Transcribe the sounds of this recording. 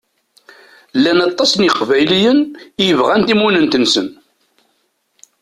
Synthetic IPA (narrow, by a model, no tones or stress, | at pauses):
lːænɑt̪ˤːɑsnjiqvæjlijənjəvʁænt̪imunənt̪ənsən